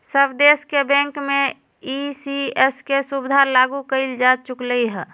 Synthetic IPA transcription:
səbd̪eskebɛ̃ŋkmẽ | isiɛskesubɪd̪ʱalaɡukəɪld͡ʒad̪̚t͡ʃʊkləiɦɛ

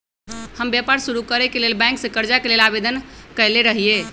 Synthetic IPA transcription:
həmbjapaɾsuɾukəɾɛkelelbɛ̃ŋksẽkəɾd͡ʒakelelabed̪ənkəjleɾəɦije

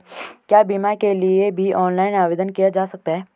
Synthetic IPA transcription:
kjaːbimakeliebʱiʔɔːnlaːɪnaːʋeːd̪ənkijad͡ʒaːsɐk̚t̪aɦɛː

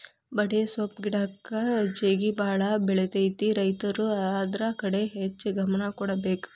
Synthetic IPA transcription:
bɐɽesɐpɡiɽakːɐd͡ʒeːɡibaːɭɐbɛɭet̪ɐjt̪iɾɐjt̪ɐɾuad̪ɾakɐɽeɦet͡ʃːɡʱɐmɐnɐkɔɽɐbeːk

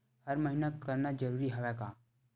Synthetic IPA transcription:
hɐɾməɦinakəɾnad͡ʒəɾuːɾiɦɐʋɛkaː

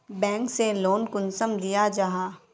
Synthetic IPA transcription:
bɛ̃ːŋkseloːnkʊnsəmd̪ijad͡ʒaɦaː

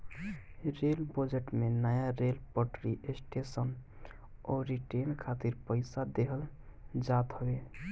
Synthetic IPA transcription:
ɾelbəd͡ʒeʈmenəjaɾelpəʈɾiʔesʈesən | ɔɾiʈenkʰat̪iɾpəjsad̪eɦəld͡ʒat̪ɦəbe

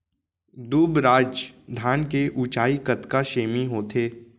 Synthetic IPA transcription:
d̪uːbɾaːd͡ʒd̪ʱaːnkeʔut͡ʃaːikɐt̪kaʃeːmiɦoːt̪ʰeː

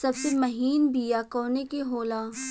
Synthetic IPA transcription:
sɐbsemɐɦiːnbʱijakɔːnekeɦoːlaː

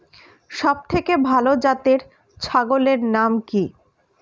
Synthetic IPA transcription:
ʃɔb̚t̪ʰekebʱalod͡ʑat̪eɾ | t͡ɕʰaɡoleɾnamki

